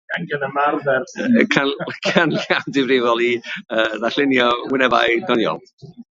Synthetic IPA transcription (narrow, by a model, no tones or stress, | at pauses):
aŋɡɛnəmarvɛrkʰakʰanlamdɪvrɪvɔlˠiəːðaɬɪnjɔwɪnɛva̰jdɔnjɔ̰lˠ